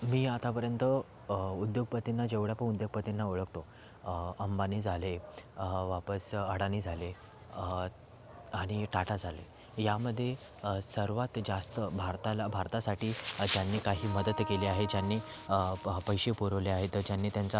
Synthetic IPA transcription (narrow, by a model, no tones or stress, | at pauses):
miːat̪apəɾjənt̪ə | ud̪joɡ̚pət̪inːad͡ʑeʋɽjapəɳud̪joɡ̚pət̪inːaoɭəkt̪o | əmbaniːd͡zʱale | ʋapəsəɽaniːd͡zʱale | aɽ̃iʈaʈad͡zʱalḛ | jaməd̪ʱːje | əsəɾʋat̪d͡zast̪əbʱaɾt̪alabʱaɾt̪asaʈʰiːd͡ʑjanːiːkaɦiːməd̪ət̪keliaɦed͡ʑjanːiː | pəjɕepuɾəʋleaɦet̪əɾd͡ʑjanːiːt̪jant͡sa